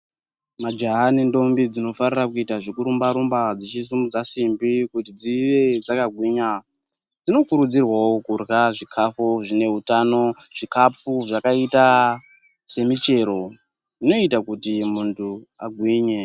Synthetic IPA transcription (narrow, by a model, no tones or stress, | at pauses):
mad͡ʒaɦanendo̞mbid͡zino̞farirakuitaʐekuɾumbaɾumbad͡zit͡ʃis̬umud͡zasimbikutid͡ziʋe̞d͡zakaɡʱwiːɲa | d͡zino̞kuɾud͡zirwawo̞kurɣaʐikʰafuʐine̞utano̞ʐ̥ikap͡fuʐakaita | se̞mit͡ʃe̞ɾo̞ | ino̞itakutimuntʰua̰ɡʱwiːɲe